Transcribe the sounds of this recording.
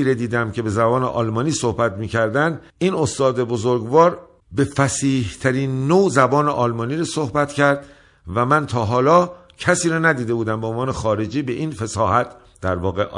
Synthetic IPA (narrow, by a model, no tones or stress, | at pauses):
iːɾed̪iːd̪æmcʰe̞be̞zæbɒːnḛʔɒ̰ːlmɒːniːso̞hbæt̪miːcʰæɾd̪ænd̪ | iːno̞st̪ɒːd̪ebozoɾɡvɒːɾ | be̞fæsiːht̪ʰæɾiːnːozæbɒːneʔɒːlmɒːniːɾɔsohbæt̪cʰæɾd̪ | væmænt̪ʰɒːɦɒːlɒː | cʰæsiːɾɔːnæd̪iːd̪e̞buːd̪æmbeonvɒːnexɒːɾe̞d͡ʒiːbe̞ʔiːnfesɒːhæt̪̚ʰ | d̪̥æɾvɒːɣeʔ